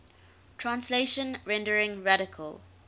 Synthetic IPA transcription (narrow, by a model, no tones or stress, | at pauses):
tʰɹãnsleʃə̃nɹɛ̃ndəɹɪ̃ŋɹaɾɪkʰə̰l